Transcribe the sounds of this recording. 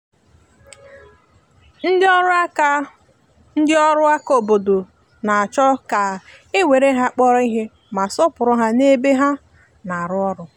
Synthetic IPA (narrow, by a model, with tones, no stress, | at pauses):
n̩˦dɪ˦ɔ˦ɾk | n̩˦dɪ˦ɔ˦ɾʊ˦a˦ko˨bo˨do˨ | na˨a˨t͡ʃɔ˦ka˨e˦wʷe˨ɾe˦ɦa˦˨k͡pɔ˦ɾɔ˦i˦ɦe˦ | ma˨sɔ˦pʊ˨ɾʊ˦ɦa˦ne˦be˦ɦa˦ | na˨ɾʊ˦ɔ˦ɾʊ˦